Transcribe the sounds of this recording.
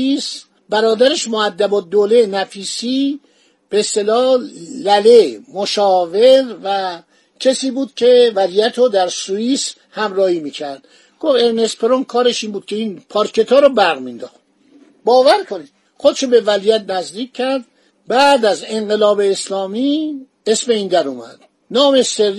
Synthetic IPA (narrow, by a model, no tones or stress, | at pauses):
is | bæɾɒːd̪æɾeʃmoæd̪ːæbɒːd̪olenæfiːsiː | b̥eːst̪e̞lɒːlælemoʃɒːveɾvæ | cʰesiːbuːd̪̥̚cʲʰe̞vælijæt̪ʰɾod̪æɾsuiːs | hæmɾɒːhiːmiːcʰæɾd̪̥ | ɡ̥ofeɾne̞spʰeɾonkʰɒːɾeʃiːnbuːd̪̚cʰe̞iːnpʰɒɾkʰe̞t̪ʰɒːɾɔbæɾɣmind̪ɒ̰ːxt̪̚ | bɒːvæɾkʰonid̪ | xod̪ʃobe̞vælijæt̪̚næzd̪iːkʲʰːæɾd̪̚ | bæːd̪æze̞ŋɢe̞lɒːbeːslɒːmi | e̞sme̞ind̪æɾumæ̰d̪̥̚ | nɒːmeseɾ